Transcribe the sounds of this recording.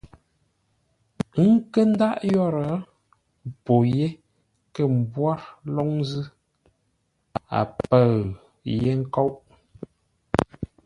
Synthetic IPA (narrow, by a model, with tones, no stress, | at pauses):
ŋ̩˦kə˦n˦da˦ʔjɔ˦˨ɾə˨˦˨ | po˨je˦ | kə˦˨m˨bwa˦ɾlɔ˦ŋzɨ˦ | a̰˨pə˨ɰ | je˦ŋ̩˦kɔ˦wʔ